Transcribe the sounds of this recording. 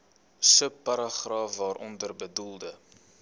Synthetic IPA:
səpːɐɾɐχrɑːfvɑːɾʔɔndərbədulˠdə

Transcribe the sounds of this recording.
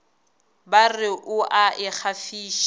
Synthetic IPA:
barɪʔʊʔaʔɪk͡xʰafiːʃ

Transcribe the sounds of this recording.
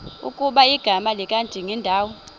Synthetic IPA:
ṵkʼuɓaiɡ̥ʱamalikʼandʱiŋɛndʱaːwɔ

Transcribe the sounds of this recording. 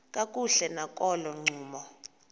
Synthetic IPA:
kʼakʼuɬɛnakʼɔlɔŋ͡ǀʱuːmɔ

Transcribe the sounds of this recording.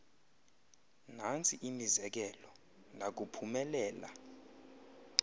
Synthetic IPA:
nant͡sʰiʔimizɛk̬ɛlɔ | nak̬upʰumɛlɛːla̰

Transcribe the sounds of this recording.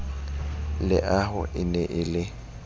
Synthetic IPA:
lɪ̰ʔaɦʊ̰ʔɪnɛʔɪlɪ

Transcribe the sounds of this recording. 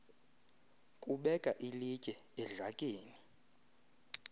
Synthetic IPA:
kʼuɓɛkʼaʔilicʼɛɛɮakʼeːni

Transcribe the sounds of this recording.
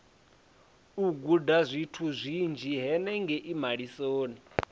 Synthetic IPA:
uɡudazʷitʰuzʷind͡ʒʱiɦɛnɛŋɡɛʔimaɺisoːni

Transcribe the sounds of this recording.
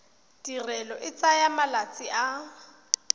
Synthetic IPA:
d̥irɛlɔʔɪt͡sʼajamalat͡sʼiʔa

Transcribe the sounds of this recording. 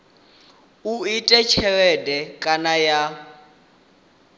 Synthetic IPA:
uitʼɛt͡ʃʰɛwɛdɛkʼanaja

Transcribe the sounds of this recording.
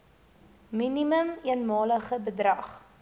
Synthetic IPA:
miniməmiənmɑːləχəbədrɐχ

